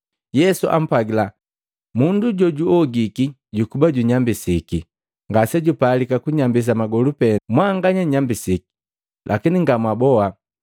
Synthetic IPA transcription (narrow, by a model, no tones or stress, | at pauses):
jɛsuʔa̰m̩pwaɡila | munduɟɔɟuɔɡiki | ɟukubaɟuɲambisiki | ŋɡasɛɟupalikakuɲambis̬amaɡɔlupɛmwaŋɡaɲaɲambisiki̥ | lʔa̰kiniŋɡamwabɔa